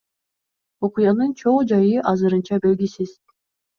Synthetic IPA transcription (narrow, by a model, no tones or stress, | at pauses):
oqujɑnɯnt͡ʃʰoɴd͡ʒɑjɯʔɑzɯɾɯnt͡ʃɑbelɡʲisiz̥